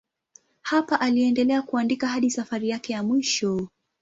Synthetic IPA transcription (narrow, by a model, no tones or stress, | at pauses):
hapaʔaliɛndɛlɛakuandikaɦaɗisafaɾijakɛjamwiʃɔ